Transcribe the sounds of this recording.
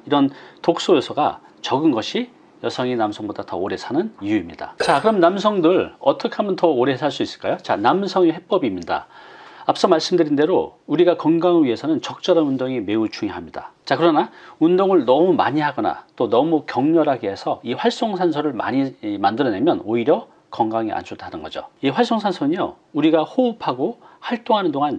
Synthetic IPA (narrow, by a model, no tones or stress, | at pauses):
iɾʌntok̚s͈ojʌsʰʌɡa̰ | t͡ɕʌɡɯnɡʌɕʰi | jʌsʰʌŋinamsʰʌŋbodatʌ̰oɾe̞sʰanɯnijuimɲida̰t͡ɕakɯɾʌmnamsʰʌŋdɯɭʌ̰t͈ʌkʰe̞ɦamjʌntʌoɾe̞sʰaɭs͈uis͈ɯ̥ɭk͈ajot͡ɕanamsʰʌŋehe̞p͈ʌbimɲida̰apʰes͈ʰʌmaɭs͈ɯmdɯɾinde̞ɾouɾiɡakʌŋɡaŋɯɥiɦe̞sʰʌnɯnt͡ɕʌk̚t͡ɕ͈ʌɾanundoŋime̞ut͡ɕuŋiɦamɲid̥a̰t͡ɕakɯɾʌnaundoŋɯɭnʌmuma̰ɲiɦaɡʌna̰t͈onʌmukjʌŋɲʌɾɦaɡeɦe̞sʰʌiɸwaɭs͈oŋsʰansʰʌɾɯɭma̰ɲimandɯɾʌne̞mjʌnoiɾjʌ | kʌŋɡaŋia̰nt͡ɕʰotʰanɯnɡʌd͡ʑo̰iɸwaɭs͈oŋsʰansʰʌnɯɲo | uɾiɡahoupʰaɡohaɭt͈oŋɦanɯndoŋan